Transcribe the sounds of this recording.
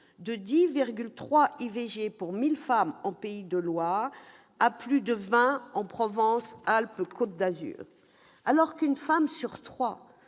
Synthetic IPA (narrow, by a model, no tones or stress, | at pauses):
d̪əd̪iviʁɡʲylt̪χwaiveʒepuʁmilfamɑ̃peid̪əlwa | aplyd̪əvɛ̃ɑ̃pχɔvɑ̃salpkʰot̪̚d̪azy̰ʁ | alɔʁkynfamsyʁt̪χwa